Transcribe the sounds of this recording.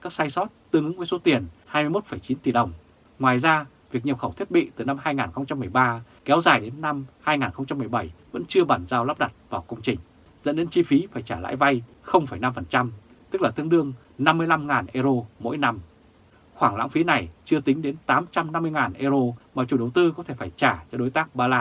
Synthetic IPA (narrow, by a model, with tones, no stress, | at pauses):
kaː˦˥k̚saː˧jsɔ˦˥t̚t̪ɨ˧əŋɨ˨˦ŋmu˧˥so˨˦t̪i˨˩ənhaː˧m˧jmo˦˥t̚fə˧˩jt͡ɕi˨˦nt̪i˨˩ɗə˨˩wŋ͡m | ŋwaː˨˩jzaː˧ | vi˨˩ək̚ɲi˨˩p̚xə˧˩wt̪ʰi˦˥ət̚ɓḭ˧˨t̪ɨ˨˩na˧mhaː˧jŋaː˨˩nxə˧wŋ͡mt͡ɕa˧mːɨ˨˩əjɓaː˧ | kɛ˨˦wzaː˨˩jɗe˨˦nːa˧mhaː˧jŋaː˨˩nxə˧wŋ͡mt͡ɕa˧mːɨ˨˩əjɓə˧˩jvə̰˧˥nt͡ɕɨ˧əɓaː˧˩nzaː˧wlaː˦˥p̚ɗa˨˩t̚vaː˨˩wkə˧wŋ͡mt͡ɕï˨˩ŋ̟ | z̥ə̰˧˥nɗe˨˧˥nt͡ɕi˧fi˨˦faː˧˩jt͡ɕaː˧˩la̰ː˧˥jva˧j | xə˧wŋ͡mfa˧˩jna˧mfə˨˩nt͡ɕa˧m | t̪ɨ˦˥k̚laː˨˩t̪ɨ˧əŋɗɨ˧əŋ | na˧mːɨ˧əjla˧mŋaː˨˩nʔe˧zo˧mo̰˧˥jna˧m | xwaː˧˩ŋla̰ː˧˥ŋfi˨˦na˨˩jt͡ɕɨ˧ət̪ï˨˦ŋ̟ɗe˨˦nt̪aː˨˦mt͡ɕa˧mna˧mːɨ˧əjŋaː˨˩nʔe˧zo˧maː˨˩t͡ɕu˨˩ɗə˨˩wt̪ɨ˧kɔ˨˦t̪ʰe˧˩faː˧˩jt͡ɕaː˧˩t͡ɕɔ˧ɗo˨˦jt̪aː˦˥k̚ɓaː˧laː˧